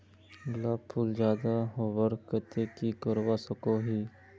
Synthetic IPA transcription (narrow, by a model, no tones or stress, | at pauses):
ɡlaːpʰːuːld͡ʒjaːd̪aɦoʋəɾkət̪ekikəɾwasəkoɦiː